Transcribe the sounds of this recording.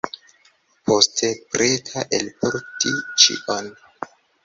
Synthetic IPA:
pʰo̞stʰepɾʔetʰaʔelpʰoɾtʰit͡ʃḭʔon

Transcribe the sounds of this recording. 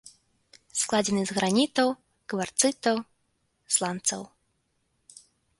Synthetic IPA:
sklˠad͡zʲɛnɨzɣɾanʲit̪ɐw | kvart̪sɨt̪ɐw | slˠant̪sɐ̰w

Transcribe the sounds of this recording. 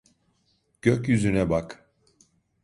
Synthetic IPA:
ɟ̥øcjyzynɛbak

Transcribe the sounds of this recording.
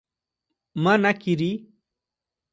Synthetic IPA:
manakiɾi

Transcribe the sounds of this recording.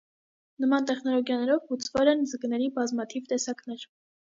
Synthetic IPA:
nəmɑnt̪ɛχnɔlɔɡjɑnɛɾɔvhut͡sʰvɛlɛnd͡zəɡnɛɾibɑzmɑt̪ʰivt̪ɛsɑknɛɾ

